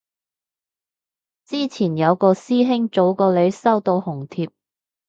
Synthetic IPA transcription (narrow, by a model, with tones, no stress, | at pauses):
t͡siː˥t͡sʰiː˨˩njɐ˨˧wkɔː˧siː˥ɦɪ˥ŋt͡so˨˥wkɔː˧le˨˧˥jsɐ˥wt̪o˧whʊ˨˩ŋt̪ʰiː˧p̚